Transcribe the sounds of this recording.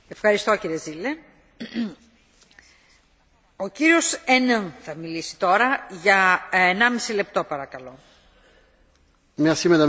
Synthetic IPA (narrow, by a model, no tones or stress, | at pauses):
e̞fxɐɾist̪o̞ciɾie̞zile | o̞ciɾio̞senenθɐmilisi̥t̪o̞ɾɐʝɐenɐmisile̞p̚t̪o̞pɐɾɐkɐlo̞ | meɐsimed̪ɐ